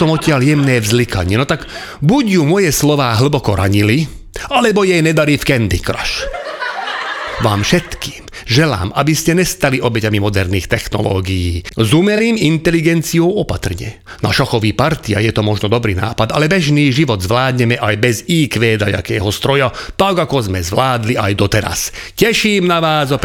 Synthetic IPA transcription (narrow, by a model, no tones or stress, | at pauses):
ɔmɔcɪaljɛmnɛːvzlikʰaɲɪɛnɔt̪aɡ | buɟjumɔjɛslɔʋaːɦl̩bɔkɔɾʔa̰ɲili | alɛbɔjɛjnɛd̪aɾiːfkɛnd̪ikɾa̰ʃ | ʋaːmfʃɛt̪ki̥ːm | ʒɛla̰ːmʔabiscɛɲɛst̪aliʔɔbɛcamimɔd̪ɛɾniːxt̪ɛxnɔ̰lɔ̰ːɡijiːzumɛliːmint̪ɛliɡɛnt͡sijɔʊɔpat̪r̩ɲɛ̰ | na̰ʃɔxɔʋiːpaɾt̪ia̰jɛt̪ɔmɔʒnɔd̪ɔbɾḭːna̰ːpad̪a̰lɛbɛʒniːʒiʋɔd̪zʋlaːd̪ɲɛmɛʔajbɛziːkʋɛːd̪a̰ja̰kɛːɦɔst̪ɾɔjat̪aɡakɔzmɛzʋlaːd̪liajd̪ɔt̪ɛɾa̰scɛʃiːmnaʋaːzɔp